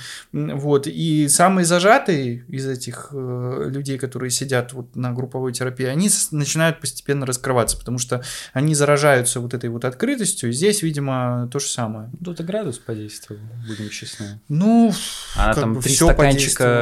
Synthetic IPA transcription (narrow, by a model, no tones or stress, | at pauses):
vo̞t̪isamɨjəzɐʐat̪ɨjəɪzɛtʲɪxəlʲʉdʲejkɐt̪o̞ɾɨjəsʲɪdʲat̪vo̞t̪nəɡɾʊpːɐvo̞jtʲɪɾɐpʲiɪɐnʲinət͡ɕɪnajʊt̪̚pəsʲtʲɪ̥pʲe̞nːəɾəskɾɨvat̪sə̥pə̥t̪ɐmuʂt̪oɐnʲizəɾɐʐajʊt̪səvo̞t̪ɛt̪əjvo̞t̪ɐt̪kɾɨt̪əsʲtʲjʊizʲdʲesʲvʲidʲɪmət̪o̞ʐəsaməjət̪t̪əɡɾad̪ʊspɐdʲejst̪vəbudʲɪmɕɪsnɨnuɐ̰nakaambɨfɾʲɪsʲoɐpɐdanʲejɪstk̪